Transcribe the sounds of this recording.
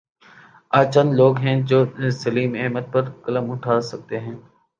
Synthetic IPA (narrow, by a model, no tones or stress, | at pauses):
aːt͡ʃə̃nd̪loːɡɦɛ̃d͡ʒoːsəliːmeɦmət̪̚pəɾkələmʊʈʰaːsɐk̚t̪eɦɛ̃ː